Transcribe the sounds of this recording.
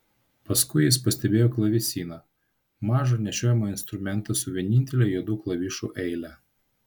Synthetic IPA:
pɐskʊɪjɪspɐsʲt̪ʲɛbʲeːjoːklˠɐʋʲisʲiːnɐ | mɑːʒɐnʲɛʃʲoːjɛmɐɪnst̪ɾʊmʲɛnt̪ɐsʊʋʲiɛnʲɪnʲt̪ʲɛlʲɛjud̪uːklˠɐʋʲiʃṵːʔɛɪlʲæ

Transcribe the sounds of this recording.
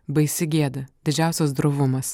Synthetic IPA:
bɐɪsʲɪɡʲiɛd̪ɐd̪ʲɪd͡ʒʲæˑʊsʲɛs̬d̪ɾoʋʊmɐs

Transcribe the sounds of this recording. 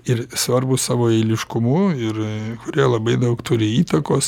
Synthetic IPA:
ɪɾsʋɐɾbʊssɑːʋoːɛɪlʲɪʃkʊmʊɪɾkʊɾʲiɛlˠɐbɐɪd̪ɐʊkt̪ʊɾʲɪiːt̪ɐkoːs

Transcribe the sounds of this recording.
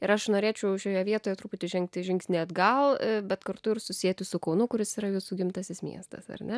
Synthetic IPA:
ɪɾɐʃnoːɾʲeːt͡ʃʲɛʊʃʲoːjɛʋʲiɛt̪oːjɛt̪ɾuːpʊt̪ʲɪʒʲɛŋkt̪ʲɪʒʲɪŋʲksʲnʲɪɐd̪ɡɐlˠbʲɛt̪kɐɾt̪ʊɪɾsʊsʲijɛt̪ʲɪsʊkɐʊnʊkʊɾʲɪsiɾɐjuːsuːɡʲɪmt̪ɐsʲɪsmʲḭɛst̪ɐ̰sɐ̰rnʲɛ

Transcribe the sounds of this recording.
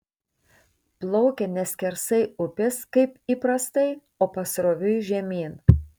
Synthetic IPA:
plˠɔʊkʲɛnʲɛsʲkʲɛɾsɐɪʊpʲɪskɐɪpiːpɾɐst̪ɐɪ | oːpɐsɾoːʋʲʊʒʲɛmʲiːn

